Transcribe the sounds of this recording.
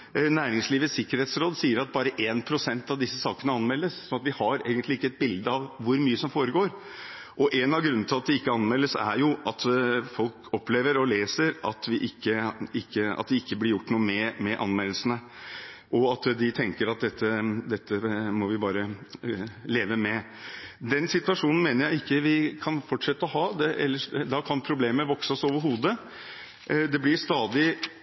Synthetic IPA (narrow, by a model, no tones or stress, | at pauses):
næːɾɪŋsliːʋəsɪkːəɾheːt̪sɾoːd̪siːəɾɑt̪̚bɑːɾəʔeːnpʰɾʊsɛnt̪ɑʋd̪ɪsːəsɑːkənəɑnmɛlːəssɔnɑt̪ʋɪhɑɾḛːɡənt̪lɪɪkːəɛt̪̚bɪld̪əɑʋʋʊɾmyːəsɔmfoːɾəɡoːɾ | ʔɔʔɛnɑʋɡɾʉnːn̩t̪ʰɪlɑt̪̚d̪ɛɪkːəɑnmɛlːəsæ̰ɾjʊʔɑt̪fɔlkɔpleːʋəɾɔleːsəɾʔɑt̪ʋɪʔɪkːəɪkːəɑ̰t̪̚d̪ɛɪkːəblɪɾjʊʈːnuːəmɛmɛʔɑ̰nmellsənəʔɔɑt̪d̪ɪt̪ʰɛŋkəɾɑt̪̚d̪ɛt̪ːəd̪ɛt̪ːəmɔʋɪbɑːɾə | leːʋəmɛ | d̪ɛnsɪt̪ʉɑʂuːnn̩meːnəɾjæɪɪkːəʋɪkʰɑnfɔʈːʂɛt̪ːəɔɦɑːd̪ɛʔɛ̰lːəʂd̪ɑkʰɑnpʰɾʊbleːməʋɔksəɔsoːʋəɾɦuːd̪ə | d̪ɛblɪɾst̪ɑːd̪ɪ